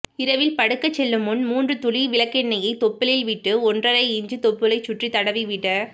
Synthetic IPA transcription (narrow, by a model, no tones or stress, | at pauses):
ɪɾɐʋɪlpɐɽɯkːɐt͡ʃːɛlːɯmːʊnmuːndrɯt̪ʊliʋɪlɐkːɛɳːɐjɐɪt̪ɔpːɪlɪlʋɪʈːɯɔndrɐɾɐɪɪɲd͡ʒɯt̪ɔpːɯlɐɪt͡ʃːʊʈrit̪ɐɽɐʋiʋɪʈːɐ